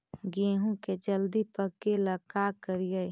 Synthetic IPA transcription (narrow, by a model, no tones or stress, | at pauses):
ɡeɦũked͡ʒəld̪ipəkeləkakəɾiə